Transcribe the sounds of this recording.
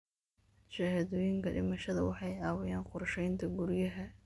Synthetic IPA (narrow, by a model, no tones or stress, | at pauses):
ʃɐhɐðɔːjɪŋkʰɐɖɪ̰mɐʃɐðɐwɑħɑjɑːwɛjaːnqʊrʃɛjnt̪ʰɐɡuɾjɐɦɐ